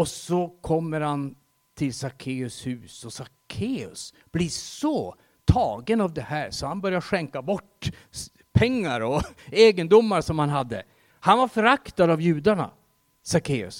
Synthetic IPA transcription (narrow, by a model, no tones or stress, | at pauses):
ɔsɔkʰɔmːəɾhan | t̪ʰɪlsakʰeːɵshʉ̟ːsɔsakʰeːɵ̰s | b̥lɪsɔ | t̪ʰɑːɡənavd̪ɛhæːɾsɔhanbœɾjaʂɛŋkabɔʈː | pʰɛŋːaɾɔeːɡənd̪ʊmːaɾʂɔmhanɦad̪ːə̰ | hanvaɾfœɾakt̪ad̪avjʉ̟ːd̪aɳa̰ | sakʰeːɵ̰s